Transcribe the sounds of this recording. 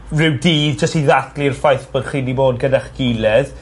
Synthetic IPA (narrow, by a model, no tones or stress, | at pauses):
rɪwdiːðd͡ʒəstiðaθlirfajθb̥ənχiniboːd̚ɡədɛχɡ̥ilɛð